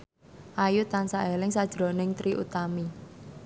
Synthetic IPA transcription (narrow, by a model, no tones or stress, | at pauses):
ʔajut̪ansaʔelɪŋsad̥ʒ̥ɾo̤nɪŋt̪ɾiʔṵt̪ami